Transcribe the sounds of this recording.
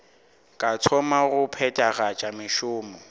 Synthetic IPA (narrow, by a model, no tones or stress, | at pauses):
kʼat͡sʰɔmaɣʊpʰɛtʼaɣat͡ʃʼamɪʃʊːmɔ